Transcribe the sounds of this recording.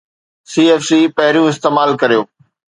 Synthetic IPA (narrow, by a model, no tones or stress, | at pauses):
siːeːfsiːpɐɦɪɾijũɪst̪eːmaːlkɐɾijoː